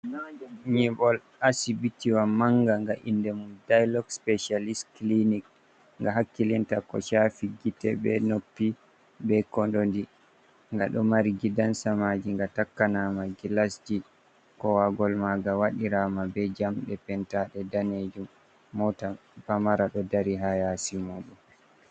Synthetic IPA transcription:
ɲibɔl | asibitiwamaŋɡaŋɡaʔḭndɛmundajlɔɡspɛʃalisklinik | ŋɡaɦakːilintakɔ̰ʃafiɡitɛbɛ̰nopːi | bɛkɔndondi | ŋɡaɗɔmaɾɡidansamad͡ʒiŋɡatakːanamaɡilasd͡ʒi | kɔwaɡɔlmaɡawaɗiɾamabɛd͡ʒamɗɛpɛntaɗɛdaned͡ʒumː | ɔta | pamaɾaɗɔdaɾiɦajasimoːɗɔm

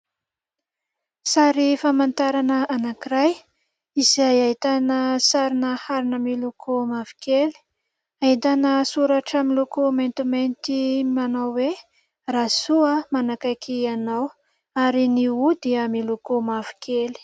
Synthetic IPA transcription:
saɾifamant̪aɾanəanakiɾaj | izajait̪anəsaɾinəhaɾinəmilukʰomavi̥keli̥ | ait̪anəsuɾaʈ͡ʂəmilukument̪ument̪imanawwe | rasuəmanakakʰianaw | aɾiniud̪iəmilukomavi̥kʰeli̥

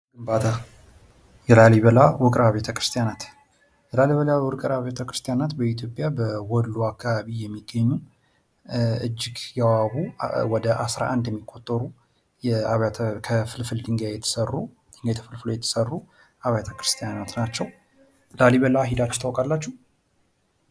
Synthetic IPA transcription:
ɡɨmbat̪ʰa | jɛlaliβəlawʊkʼɾaβet̪ʰəkɾɨst̪ʰijanat̪ | jɛlaliβəlawʊɾkʼɾaβet̪ʰəkɾɨst̪ʰijanat̪bəit̪ʰjo̞pʼjabəwɔlːuakʰːaβaβijɛmːiɡːəɲːu | ɨd͡ʒːɪɡjɛwaβuwɔd̪əʔasɾa̰ʔand̪jɛmːikʰʼːot̪ʼːəɾu | jɛaβʰkʰəfɨlfɨld̪ɨŋɡajɛt̪ʰə̥sərːu | d̪ɨŋɡajt̪ʰəfɨlfɨlojɛt̪ʰə̥sərːu | ʔaβjat̪ʰəkʰɾɨst̪ʰijanat̪nat͡ʃːɛw | laliβəlaɦid̪at͡ʃːt̪ʰawkʼalːat͡ʃːuh

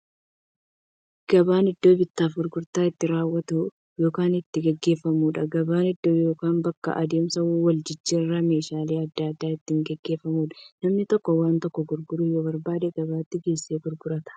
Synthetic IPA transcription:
ɡ̥ɐbaːnɪd̪ːo̞ːbɪt̪ːaːfɡʊɾɡʊɾt̪aːɪt̪ːɪɾaːwːɐt̪u | jo̞ːkaːnɪt̪ːɪɡɛɡːe̞ːfːɐmuːᶑɐɡɐbaːnɪd̪ːo̞ːjoːkaːmbɐkːɐ̰ʔɐd̪e̞ːmsɐwwɐld͡ʒɪd͡ʒːiːrːɐme̞ːʃaːleːɐd̪ːaɐd̪ːaːɪt̪ːɪŋɡɛɡːe̞ːfːɐmuːᶑɐ̥nɐmnɪt̪ɔkːɔwaːnt̪ɔkːɔɡʊɾɡʊɾʊjoːbɐɾbaːd̪eɡɐβaːt̪ːɪɡe̞ːseːɡʊɾɡʊɾɐt̪ɐ̥

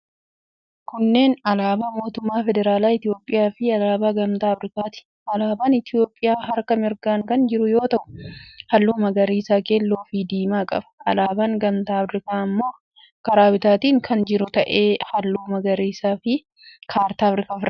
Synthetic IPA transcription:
kʊnːe̞ːnɐlaːbaːmo̞ːt̪ʊmːaːfɛd̪ɛɾaːlaːɪt̪ɪjo̞ːpʼːɪjaːfɪɐlaːbaːɡɐmt̪aːɐfɾɪkaːt̪ɪ̥ | ɐlaːbaːnɪt̪ɪjo̞ːpʼːɪjaːɦɐɾkɐmɪɾɡaːŋkɐnd͡ʒɪɾʊjo̞ːt̪ɐʔʊ̥hɐlːuːmɐɡɐɾiːsaːkeːlːoːfɪd̪iːmaːkʼɐ̰bɐ̥ɐlaːbaːŋɡɐmt̪aːɐfɾɪkaːɐmːo̞ː | kɐɾaːwɪt̪aːt̪iːŋkʰɐnd͡ʒɪɾʊt̪ɐʔeːhɐlːuːmɐɡɐɾiːsaːfɪ | kʰaːɾt̪aːɐfɾɪkaːfɪɾ

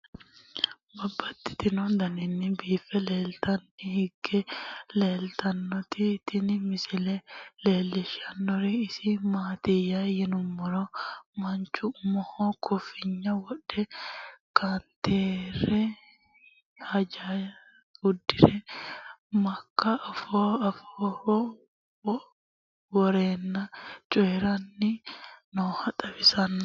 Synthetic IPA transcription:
bɐbːɐt̪ːɪ̥t̪ɪnɔd̪ɐnɪnːɪbiːfɛleːlt̪ɐnːɪhɪɡːɛleːlt̪ɐnːɔt̪ɪt̪ɪnɪmɪsɪlɛleːlːɪʃɐnːɔɾɛɪsɪmaːt̪ɪjajɪnʊmːɔɾɔmɐnt͡ʃːʊmɔhɔkʰɔfɪɲːɐwɔᶑɛkʰant̪eːɾɛ | hɐd͡ʒa | ʊd̪ːɪɾɛ | mɐkːɐːfoɐfo | wɔɾeːnːɐt͡ʃʼɔjɛɾɐnːɪnoːhɐt̪ʼɐbɪsɐn

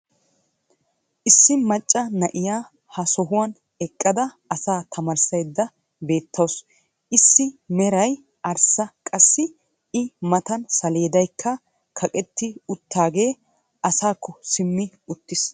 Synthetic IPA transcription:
ʔɪsːɪmɐt͡ʃʼːɐnɐʔɪjaː | hɐsɔɦʊwɐn | ɛkʼːɐd̪ɐ | ɐsaːt̪ʰɐmɐɾsɐjd̪ːɐ | be̞ːt̪ʰːows | ʔɪsːɪmɛɾɐj | ʔɐɾsɐkʼɐsːɪ | ɪmɐt̪ɐnsɐle̞ːd̪ɐjkʰːɐ | kʰɐkʼɛt̪ːɪʊt̪ʰːaːɡe̞ː | ʔɐsaːkʰːɔsɪmːɪ | ʊt̪ːɪs

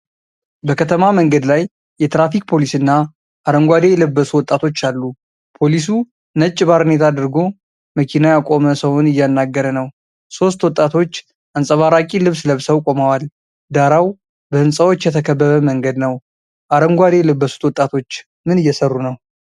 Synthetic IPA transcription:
bəkʰət̪ʰəmaməŋɡəd̪lajː | ɛt̪ɾafik̚ʼpʰo̞lisɨnːa | ʔaɾəŋɡʷad̪e̞jɛləbːəsuwɔt̪ʼːat̪ʰo̞t͡ʃːalːu | pʰo̞lisu | nət͡ʃʼːɪβaɾhnet̪ʰad̪ɨɾɡo̞ | məkʰinajakʼo̞məsəwonɨjːanːaɡːəɾənəw | so̞st̪wɔt̪ʼːat̪ʰo̞t͡ʃː | ʔansʼəβaɾakʼilɨβsləβsəwkʼo̞mawal | d̪aɾaw | bəhɨnsʼəwo̞t͡ʃːjɛt̪ʰəkʰəbːəβəməŋɡəd̪nəw | ʔaɾəŋɡʷad̪ejɛləbːəsu̥t̪wɔt̪ʼːat̪ʰo̞t͡ʃː | mɨnɨjːɛsərːunəw

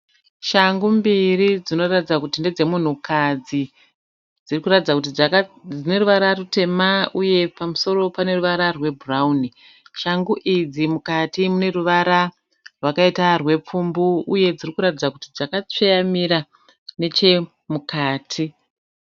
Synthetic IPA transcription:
ʃaŋɡumbirid͡zino̞ratid͡zakutinde̞d͡ze̞mun̤ukʰad͡zi | d͡zirikuratid͡zakutid͡zine̞ɾuʋaɾarute̞mauje̞pamuso̞ɾo̞pane̞ruʋaɾarwe̞brauni | ʃaŋɡuʔid͡zimukatimune̞ruʋaɾa | rwakaitarwe̞p͡fumbuuje̞d͡zirikuɾatid͡zakutid͡zakat͡sejamiɾa | ne̞t͡ʃe̞ | mukaːtʰi

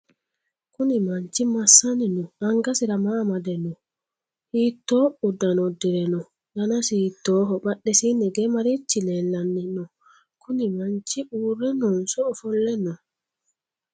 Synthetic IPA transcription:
kunimaɲt͡ʃimasːaninɔaŋɡasiɾamaːmadɛnɔ | hiːtːɔudanɔdiɾɛnɔ | danasitːɔːɦɔɓaɗːɛsinɛɡɛmaɾit͡ʃːilɛlːanːinɔ | kʰunimaɲt͡ʃiʔuɾɛnɔnsɔɔfɔlːɛnɔn

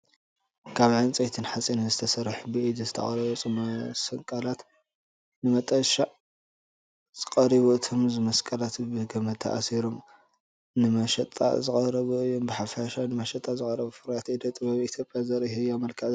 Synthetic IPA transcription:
kʰaβʕɨnt͡sʼɐt̪ʰɨnħat͡sʼinɐzɨt̪ʰɐsɐɾħubɨʔid̪ɨzɨt̪ʰɐ̰χʼɐɾɐβut͡sʼomɐsɐŋkʼɐlat̪ | nɨmɐt̪ʼɐʃaʔ | z̥ɨkʼɐɾiβuɨt̪ʰomzɨmɐskʼɐlat̪bɨɡɐmɐt̪ʰɐ̰ʔa̰siɾom | nɨmɐʃɐt̪ʼːa̰zɨkʼɐɾɐβuɨjːombɨħafaʃanɨmɐʃɐt̪ʼːazɨkʼɐɾɐβufɨɾat̪id̪ɐt̪ʼɨβaβiit̪ʰjopʼjazɐɾihɨjamɐlkʰa

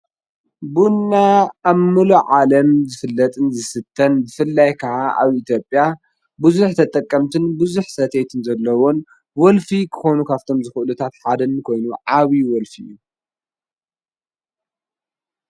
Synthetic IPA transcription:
bunːaamːɨluʕalɐmzɨfɨlːɐt̪ʼɨnzɨsɨt̪ʰːɐnzɨfɨlːajkʰɐʕaʔa̰βit̪ʰjo̞pʼja | bɨzuħt̪ʰɐt̪ʼɐkʼːɐmt̪ʰɨnbɨzuħsɐt̪ʰet̪ʰɨnzɐlːɐwon | wɔlfikʰɨ̥xonukʰaβt̪ʰo̞mzɨxɨʔɨlut̪ʰat̪ħad̪ɐnkʰo̞jnuʕaβiwɔlfḭjːu

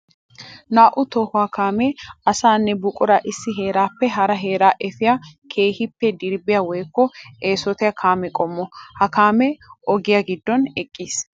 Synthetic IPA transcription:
naːʔʊt̪ɔhʊaːkaːmɛɐsaːnːɛbʊkʼʊɾaʔɪsːɪɦe̞ːɾaːpːɛɦɐɾɐɦe̞ːɾaːʔɛfɪjakʰe̞ːhɪpːɛd̪ɪɾbɪjɐwɔjkːɔeːsɔt̪ɛjɐkʰaːmɛkʼɔmːɔhɐkaːmɛʔɔɡɪjɐɡɪd̪ːɔnɛkʼːiːs

